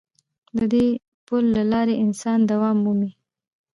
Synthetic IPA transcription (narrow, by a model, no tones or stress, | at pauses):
d̪əd̪e | pʊlːalɑɾeɪnsɑnd̪awɑmːumi